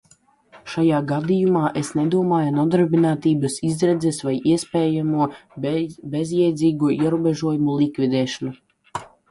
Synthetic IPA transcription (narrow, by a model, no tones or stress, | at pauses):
ʃajaːɡad̪ijumaːʔesned̪uɔmaːjanud̪aɾbinaːt̪iːbɐsizɾɛd̪zɛsvajiɛspʲeːjamuɔ | bezjɛjd̪ziːɡuɔʔiɛɾuːbeʒuɔjumulˠikvid̪ɛːʃɔnu